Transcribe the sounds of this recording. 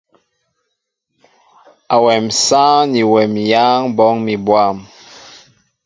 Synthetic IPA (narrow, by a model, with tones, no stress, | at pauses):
a˨wɛ˨msa˦ni˨wɛ˨mja˦ŋbɔ˦ŋmi˨bwa˦˨m